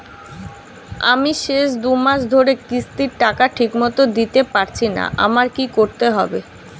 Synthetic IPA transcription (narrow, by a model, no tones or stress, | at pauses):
a̰miʃeʃd̪umaʃd̪ʱoɾekɾist̪iɾʈakaʈʰikmɔt̪od̪it̪epaɾt͡ɕʰina̰ʔa̰maɾkikoɾt̪eɦɔ̰be